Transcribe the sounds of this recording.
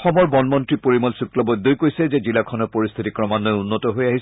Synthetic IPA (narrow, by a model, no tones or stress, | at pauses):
xɔmɔɹbɔnmɔntɹipoɹimɔlsuklɔbɔd̪ojkoɹisɛzɛzilakʰɔnɔɹpoɹist̪ʰitikɹɔmanːɔjunːɔtɔɦojaɦis